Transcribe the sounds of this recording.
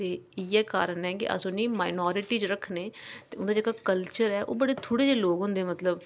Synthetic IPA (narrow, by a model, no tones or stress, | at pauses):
t̪eːiːɛːkaːɾənɛːkɪ̰ʔə̰sõːnĩːmaːɪnɔːɾɪʈiːt͡ʃɾəkʰnẽːt̪eːʊnd̪aːd͡ʒeːkaːkəlt͡ʃəɾɛːʔo̰ːbəɽeːt̪ʰoːɽeːd͡ʒeːloːɡɦʊ̃nd̪eːmət̪ləb